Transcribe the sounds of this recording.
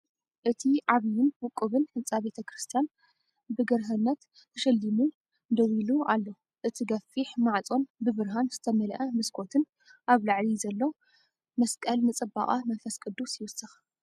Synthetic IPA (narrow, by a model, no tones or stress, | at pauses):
ʔɨt̪ʰiʕaβjɪnwʊkʼːɨβɨnhɨnt͡sʼabe̞t̪ʰɐkʰɾɨst̪ʰijan | bɨɡɐɾɦɐnːɐt̪ʰː | ɐʃɐlːimu | d̪ɐwilualːo | ʔɨt̪ʰiɡɐfːiħmaʕt͡sʼo̞nbɨβɨɾɦanz̥ɨt̪ʰɐmɐlʔɐmɨskʰo̞t̪ʰɨn | ʔaβlaʕlizɐlːo | mɐskʼɐlnɨt͡sʼɨba̰χʼamɐnfɐskʼɨd̪usjɪwʊsɨx